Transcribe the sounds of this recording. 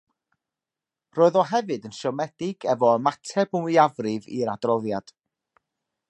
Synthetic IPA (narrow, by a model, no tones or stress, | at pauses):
roːɨðɔɦɛvɨdənʃɔmɛd̥ɪɡɛvɔəmatʰɛbəmwiavrɨvḭɾadrɔðjad̥